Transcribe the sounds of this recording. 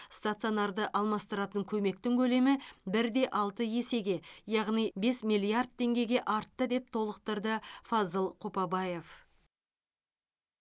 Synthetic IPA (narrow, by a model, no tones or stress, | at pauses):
st̪at̪sio̞nɑɾd̪əʔɑlˠmɑst̪əɾɑt̪əŋkʲʰɵme̞k̚t̪ɪŋkʲʰɵle̞mɪbɪɾd̪e̞ʔɑlˠt̪əjese̞ɡʲe̞jɑʁnijbe̞smʲijlʲˠijard̪̚t̪ʰːe̞ŋɡʲe̞ɡʲe̞ʔɑɾt̪ːəd̪e̞p̚t̪ʰo̞lˠəq̚t̪əɾd̪əfazəlˠqʰopɑbɑje̞f